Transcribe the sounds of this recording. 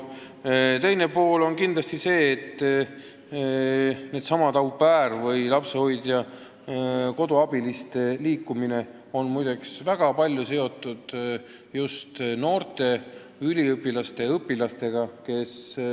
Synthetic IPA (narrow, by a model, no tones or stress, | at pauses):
t̪e̞jne̞po̞ːlo̞nkind̪lɑst̪ise̞ːt̪ːˑ | ne̞d̪sɑmɑt̪ɑwpːæːrvɤjlɑpseho̞jd̪̥jɑ | ko̞d̪uɑb̥ilist̪e̞liːkːˑumine̞ | o̞nmujd̪eksvæɡ̥ɑpɑlʲjuse̞o̞t̪ːˑud̪̥ | just̪no̞ːrt̪e̞ | ylʲiɯpːˑilɑst̪e̞ɤpːˑilɑst̪e̞ɡ̥ɑke̞s